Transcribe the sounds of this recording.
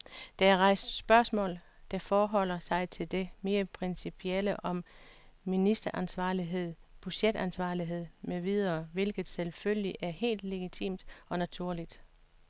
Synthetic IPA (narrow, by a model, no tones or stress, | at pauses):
d̥ææɐʁɑ̈ɪ̰sd̥sb̥ɶɐsmɔ̰̽ːl | d̥æfɒːɦɒ̽l̰ɐsɑ̈ɪt͡sʰe̝ld̥e̝me̝ːɐpʰʁensipʰieləʔɒ̽mː | inisd̥ɐʔænsʋɑ̈ːliɦe̝ð̞̰ˠb̥yɕed̥ænsʋɑ̈ːliɦe̝ð̞̰ˠmeʋið̞ˠɐːʋe̝lɡ̥ð̩ˠselfølliʔæɐhe̝̰ːld̥le̝ɡ̥it͡sʰḭːmd̥ɒ̽næt͡sʰuɐ̰lid̥